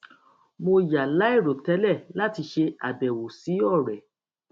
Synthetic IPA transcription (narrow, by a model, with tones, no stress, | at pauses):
mo˧ja˨la˨˦i˦˨ɾo˨tɛ˦lɛ˦˨la˦˨ti˧ʃe˧a̰˨dɛ˨wo˨si˨˦ɔ˦˨ɾɛ˨